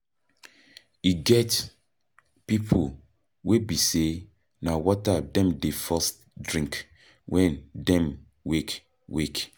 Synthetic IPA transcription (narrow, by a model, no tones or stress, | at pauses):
iɡɛt | pipʰo | webise | nawɔtadɛ̃mdefɔs | dɹĩŋk | wʔɛ̃ndɛ̃m | wek | wek